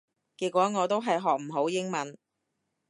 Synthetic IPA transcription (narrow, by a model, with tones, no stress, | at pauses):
kiː˨˧t̚kwɔː˨˥ŋɔː˨˧t̪o˥wɦɐ˨jɦɔː˨k̚m̩˨˩ɦo˨˥wjɪ˥ŋmɐ˨˥n